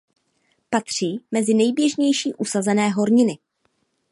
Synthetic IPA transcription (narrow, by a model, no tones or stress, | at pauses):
pat̪r̝̥iːmɛzɪnɛjbjɛʒɲɛjʃiːʔusazɛnɛːɦo̞ɾɲɪnɪ